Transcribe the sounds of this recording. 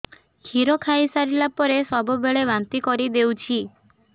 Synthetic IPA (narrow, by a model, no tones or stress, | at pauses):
kʰiɾokʰajsaɾilapɔɾesɔbɔbeɭebant̪ikɔɾid̪ewt͡ʃʰi